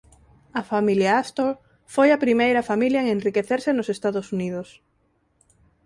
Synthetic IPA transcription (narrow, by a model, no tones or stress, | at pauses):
ɐfamiljaast̪ol | fojɐpɾimejɾɐfamiljɐeŋẽnrikeθeɾsɪnʊsest̪aðʊsuniðʊs